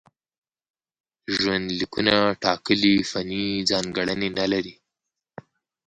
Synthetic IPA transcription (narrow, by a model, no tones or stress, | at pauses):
ʒwand̪likunaʈɑkəlifanid͡zɑnɡaɽənenalaɾi